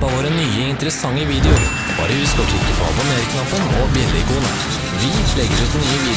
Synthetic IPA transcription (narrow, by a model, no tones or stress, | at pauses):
ɑʋoːɾənyːəɪnt̪əɾəsɑŋːəʋiːd̪ɛʊ | b̥ɑ̰ːɾəʋɪskɔkɪt̪ːəfɑ̰b̪ɔmeːɾɪklɑpənɔbɪɛllɪ̰kuːnə̰ | ʋɪlɛɡəɾʉːt̪nyːəʋiː